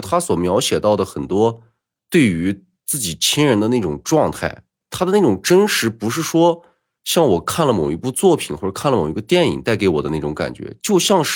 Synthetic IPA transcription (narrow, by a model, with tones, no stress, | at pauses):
t̪ʰa˥swɔ˨˩mjɑ˧˥ʊɕjɛ˨˩t̪ɑ˥˩ʊd̪ə˩xə˨˩nt̪wɔ˥ | t̪we˥˩ɪy˧˥ | t͡sɹ̩˥˩t͡ɕi˨˩t͡ɕʰi˥nɻə˧˥nd̪ə˧na˥˩ɪʈ͡ʂʊ˨˩ŋʈ͡ʂwɑ˥˧ŋt̪ʰa˥˩ɪ | t̪ʰa˥d̪ə˧na˥˩ʈ͡ʂʊ˨˩ŋʈ͡ʂə˥nʂɻ̩˧˥pu˧˥ʂ̬ɻ̩˥˩ʂwɔ˥ | ɕjɑ˥˩ŋwɔ˨˩kʰa˥˩nlə˩mo˨˩ʊi˧˥pu˥˧t͡swɔ˥˩pʰi˨˩nxɔ˥˩ʈ͡ʂkʰa˥˩nlə˨mo˨˩i˧˥ɡə˥˧t̪jɛ˥˩nḭ˨˩ŋt̪a˥˩ɪke˧˥ɪwɔ˨˩d̪ə˦na˥˩ʈ͡ʂʊ˧˥ŋka̰˨˩nt͡ɕɥɛ̰˧˥t͡ɕjo˥˧ʊɕjɑ˥˧ŋʂ